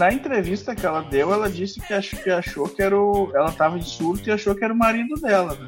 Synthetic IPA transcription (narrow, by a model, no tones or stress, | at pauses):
nɐẽnt̪ɾevist̪ɐkɪɛlɐd̪ewɛlɐd͡ʒisɪkɪaʃkɪaʃokɪɛɾʊɛlɐt̪avɐẽsuɾt̪ʊiaʃokɪɛɾʊmaɾid̪ʊd̪ɛlɐnɛ